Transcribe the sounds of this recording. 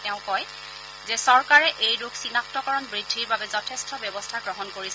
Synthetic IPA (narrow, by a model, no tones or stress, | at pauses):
tɛʊ̃kɔj | zɛsɔɹkaɹɛʔejduksinak̚tɔkɔɹɔnbɹidʱːiɹbabɛzɔtʰestʰɔbjɔbɔstʰaɡɹɔɦɔnkoɹis